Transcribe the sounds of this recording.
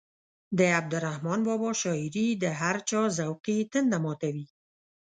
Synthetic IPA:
d̪əab̚d̪ʊɾahmɑnbɑbɑʃɑɪɾid̪əɦaɾt͡ʃɑzawqit̪ənd̪amɑt̪awi

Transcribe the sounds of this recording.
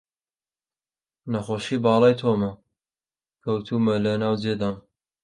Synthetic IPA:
nɐxoːʃiːbɑːlˠɑːjt̪ʰoːmɐ | kʰɐwt̪ʰuːmɐlɐnaːwd͡zed̪aːn

